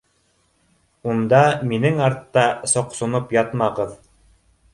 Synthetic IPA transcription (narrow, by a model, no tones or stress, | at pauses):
und̪ɑminɘŋɑɾt̪ːɑsŏqsŏnopjɑt̪mɑʁɤð